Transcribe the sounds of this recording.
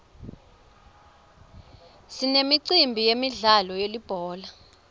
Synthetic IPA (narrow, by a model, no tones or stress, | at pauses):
sinemiǀimbʱijemiɮalɔjelib̥ʱɔːla